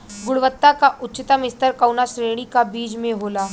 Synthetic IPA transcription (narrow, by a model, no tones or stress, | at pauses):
ɡʊɽʋət̪ːakaʔʊtːt͡ʃːɪt̪amɪst̪əɾkɐwnaʃɾeːɽ̃ikabiːd͡ʒmẽɦoːlaː